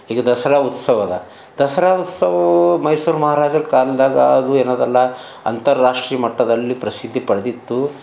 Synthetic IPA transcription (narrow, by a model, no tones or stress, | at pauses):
ɦiːɡɐd̪ɐsɐɾaːut̪sɐʋɐd̪ɐ̰ | d̪ɐsɐɾaːut̪sɐʋɐmɐjsuːɾmɐɦaːɾaːd͡ʒɐɾkaːld̪aːɡɐːd̪ueːnoːd̪ɐlːɐ | ɐ̰nt̪ɐɾːaːʂʈɾiːjɐmɐʈːɐd̪ɐlːipɾɐsid̪ʱːipɐɽd̪it̪ːu